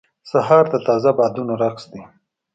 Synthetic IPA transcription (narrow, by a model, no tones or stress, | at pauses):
saɦɑɾd̪ət̪ɑzabɑd̪unoɾaxsd̪i